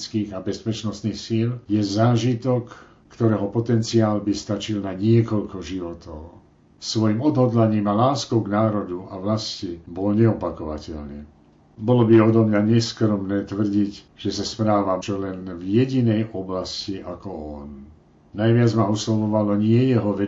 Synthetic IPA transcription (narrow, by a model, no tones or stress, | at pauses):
t͡skiːɣabɛspɛt͡ʃnɔst̪niːxsiljɛzaːʒit̪ɔkː | t̪ɔɾɛːɦɔpɔt̪ɛnt͡siaːlbist̪at͡ʃilnaɲɪɛkɔʎkɔʒiʋɔt̪ɔʊ | sʋɔjimɔd̪ɦɔd̪laɲiːmalaːskɔʊɡnaːɾɔd̪uaʋlascibɔlɲɛɔpakɔʋacɛ̰ʎɲɛ | bɔlɔbiɔd̪ɔmɲaɲɛskɾɔmnɛːt̪ʋr̩ɟic | ʒ̥ɛsaspɾaːʋat͡ʃɔlɛnvjɛɟinɛjʔɔblasciʔakɔɔn | najʋɪad͡zmauslɔʋɔʋalɔɲɪɛjɛɦɔʋɛ